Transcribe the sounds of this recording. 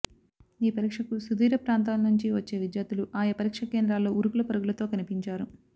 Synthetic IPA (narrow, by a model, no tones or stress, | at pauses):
iːpɐɾiːkʂɐkusud̪iːɾɐpɾaːnt̪aːlɐnuɲt͡ʃiʋɐt͡ʃːe̞ːʋid͡ʒ̪jaːt̪uluʔaːjɐpɐɾiːkʂɐke̞ːnd̪ɾaːlːo̞ːuɾukulɐpɐɾuɡulɐt̪o̞ːkɐnipiɲt͡ʃaːɾu